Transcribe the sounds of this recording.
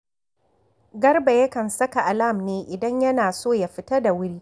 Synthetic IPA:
ɡɐ˦rba˨jɐ˦kɐ˨nsɐ˦ka˨ʔa˨la˦˨mneː˦ʔɪ˨dɐ˦ɲjɐ˦naː˨soː˦˨ja˦ɸɪ˦tɐ˦da˨wʊ˦ɽiː˦

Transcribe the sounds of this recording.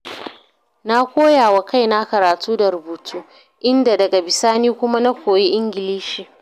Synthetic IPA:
na˦kʷoː˦jaː˨wa˨ka˦˨jna˦kɐ˨ɾaː˨tuː˦da˨ɾʊ˨buː˨tʰuː˦ | ʔɪ˦nda˨dɐ˨ɡa˨bɪ˨saː˦niː˦kʷʊ˦ma˦na˦kʷoː˨ji˦ʔɪ˦ŋɡʲɪ˨liː˦ʃiː˨

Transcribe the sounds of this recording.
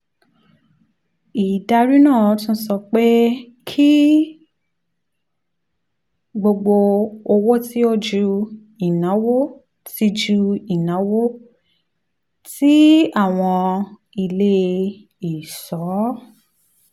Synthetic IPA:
i˨da˧ɾi˦nãː˦˨˦tũ˦sɔ˧k͡pe˦ | kʰi˦ | ɡ͡bo˧ɡ͡bo˧o˧wo˦ti˦o˦d͡ʒu˧ | i˨nã˨˦wo˦ | ti˧d͡ʒu˧i˨nã˨˦wo˦ | ti˦a˦˨w̃ɔ̃˧ | i˧le˦ | i˨sɔ˨˦˨

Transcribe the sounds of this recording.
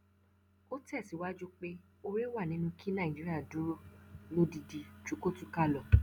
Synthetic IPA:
o˦tɛ˦˨si˨˦wa˦d͡ʒu˦k͡pe˦ | o˧ɾe˦wa˦˨nĩ˧˦nũ˧kʰi˦nã˦˨d͡ʒi˦ɾi˦a˦˨dũ˨˦ɾo˦˨no˧di˨di˨t͡ʃu˨˦ko˦tu˧˦ka˦˨lɔ˨

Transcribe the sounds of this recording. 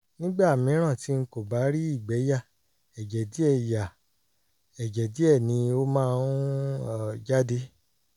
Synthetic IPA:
nĩ˦ɡ͡ba˦a˨mĩ˨˧˦ɾ̃ã˦˨ti˧˦ŋ̩˦ko˨ba˨˦ɾi˦i˦˨ɡ͡bɛ˨˦ja˦˨ | ɛ˨d͡ʒɛ˨di˨˦ɛ˦˨ja˨ | ɛ˨d͡ʒɛ˨di˨˦ɛ˦˨nĩ˧o˦mãː˦˧˦d͡ʒa˦de˦

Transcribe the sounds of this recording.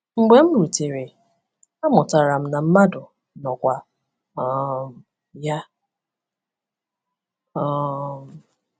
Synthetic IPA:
ŋ͡m̩˨ɡ͡be˨˦m̩˦ɾu˨te˨ɾe˨ | a˦mʊ˨ta˨ɾa˨m̩˦na˨m̩˦ma˦dʊ˨ | nɔ˨kʷa˨ | ɔ˨m̩˨ | ja˦ | ɔ˦m˨

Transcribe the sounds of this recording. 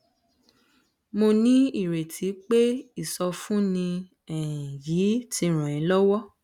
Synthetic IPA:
mo˧nĩ˦i˦˨ɾe˨tʰi˨˦k͡pe˦i˦˨sɔ˧fũ˦nĩ˧ | ɛ̃˨jiː˨˦ti˧ɾ̃ã˨ĩ˨˦lɔ˦wɔ˦

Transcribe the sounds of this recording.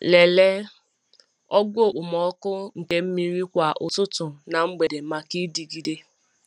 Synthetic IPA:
le˨le˦ | ɔ˦ɡo˦˨ʔʊ˨mɔ˨˦kʊ˦ŋ̩˨ke˦m̩˦mi˦ɾi˦kʷa˨ʔʊ˨tʊ˦tʊ˨na˨ŋ͡m̩˦ɡ͡be˨de˨ma˨ki˦di˨ɡi˨de˦

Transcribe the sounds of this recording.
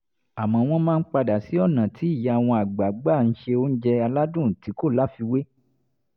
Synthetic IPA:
a˨mɔ̃˧˦˧w̃ɔ̃˧mãː˦˧n̩˦k͡pa˧da˨si˨˦ɔ˦˨nã˨ti˨˦i˦˨ja˨w̃ɔ̃˧a˨ɡ͡ba˨˦ɡ͡ba˦˨n̩˦ʃe˧o˦n̩˦d͡ʒɛ˧a˧la˦dũ˦˨ti˨˦ko˦˨la˨˦fi˧we˦

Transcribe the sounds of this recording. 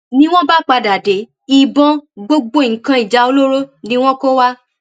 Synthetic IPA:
nĩ˦w̃ɔ̃˦ba˦k͡pa˧da˨de˨˦ | i˨bɔ̃˧ɡ͡bo˧ɡ͡bo˧˨ŋ̩˨kã˧i˨d͡ʒa˨˦o˧lo˦ɾo˦nĩ˦w̃ɔ̃˦ko˦wa˦

